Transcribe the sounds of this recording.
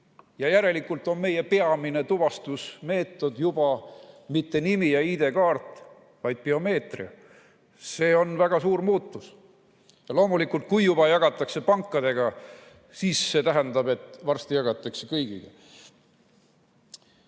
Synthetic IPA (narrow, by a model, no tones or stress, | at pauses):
jɑjæɾe̞likːˑult̪ˑo̞nme̞je̞pe̞ɑmine̞t̪uvɑst̪usme̞ːt̪ːˑo̞d̪̥jub̥ɑmit̪ːe̞nimijɑid̪̥e̞kɑːrt̪ˑ | vɑjd̪̥̚peo̞me̞ːt̪rḭɑ | se̞ːo̞nvæɡ̥ɑsuːɾmuːt̪ˑːus | jɑlo̞ːmulikːult̪̚kujjub̥ɑjɑɡ̥ɑt̪ːˑɑkse̞pɑŋkːˑɑd̪̥e̞ɡ̥ɑ | siːsːe̞t̪æɦænd̪̥ɑbe̞t̪ːˑvɑrst̪ijɑɡ̥ɑt̪ːˑɑkse̞kɤjɡ̥ḭɡ̥e